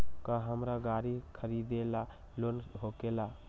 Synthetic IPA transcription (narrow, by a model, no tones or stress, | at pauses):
kəɦəmɾaɡaɾikʰəɾid̪ela | lonɦokela